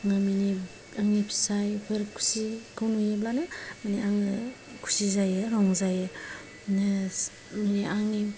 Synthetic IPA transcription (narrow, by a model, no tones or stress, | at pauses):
ŋamini | aŋipʰi̥sajpʰɯɾkʰu̥sikʰɯwnujeblanɯmaniaŋɯ | kʰu̥sizajɯɾɔŋzajɯ | ne | maniʔaŋi